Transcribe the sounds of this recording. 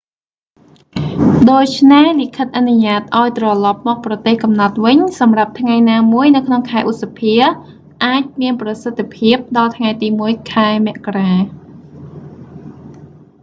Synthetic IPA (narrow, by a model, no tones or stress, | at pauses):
ɗoːc̚t͡ɕʰnehlikʰət̪̚ʔanuɲaːt̪̚ʔaɔjt̪rɑlɑp̚mɔːk̚prɑt̪eːhkɑmnɑt̪̚ʋɨɲsɑmrap̚t̪ʰŋajnaːmuəjnɨwkʰnoŋkʰaɛʔut̪̚sapʰiə | ʔaːc̚miənprɑsət̪ʰːepʰiəp̚ɗɑlt̪ʰŋajt̪iːmuəjkʰaɛmɛ̆əʔkaraː